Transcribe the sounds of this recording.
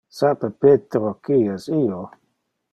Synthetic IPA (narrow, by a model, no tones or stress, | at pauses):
sapepet̪ɾokiɛsio